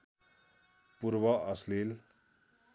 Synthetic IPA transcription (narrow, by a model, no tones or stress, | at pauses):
puɾbʌʌslil